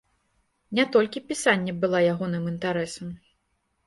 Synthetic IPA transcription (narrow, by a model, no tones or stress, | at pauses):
nʲat̪ɔlʲkʲipʲisanʲːɛbɨlˠajaɣɔnɨmint̪aɾɛsɐm